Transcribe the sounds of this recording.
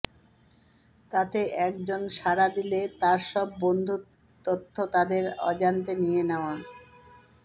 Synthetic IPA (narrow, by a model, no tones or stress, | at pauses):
t̪at̪eʔɛk̚d͡ʑonʃaɾad̪ilet̪aɾʃɔb̚ːond̪ʱu | t̪ot̪ʰːot̪ad̪eɾɔ̰d͡ʑant̪enijeneoa